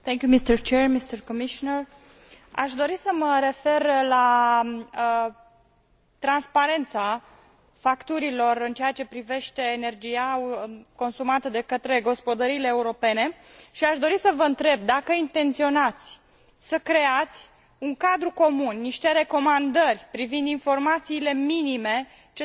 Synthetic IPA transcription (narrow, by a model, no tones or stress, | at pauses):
θeŋkʲjumist̪ərt͡ʃermist̪ərkomiʃonər | a̰ʃd̪o̞ɾisəməɾe̞fe̞rla | t̪ɾanspaɾe̞nt̪sa | fakt̪uɾilo̞rɨnt͡ʃejat͡ʃe̞pɾive̞ʃt̪e̞ːne̞rd͡ʒijako̞nsumat̪əd̪e̞kət̪ɾe̞ɡo̞spo̞d̪əɾiːleːuɾo̞pe̞ne̞ʃiaʃd̪o̞ɾisəvəɨnt̪ɾe̞b̚d̪akəint̪e̞nt̪sio̞nat̪sʲ | səkɾe̞at̪sʲ | uŋkad̪ɾuko̞munːiʃt̪e̞ɾe̞ko̞mand̪ərʲpɾivind̪info̞rmat̪siːle̞minime̞ | t͡ʃe